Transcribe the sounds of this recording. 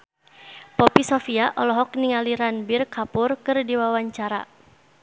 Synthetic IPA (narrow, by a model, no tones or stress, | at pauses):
pɔpisɔfiaʔɔlɔɦɔk̚niŋaliɾanbirkapʊrkɨrdiwawaɲt͡ʃaɾa̰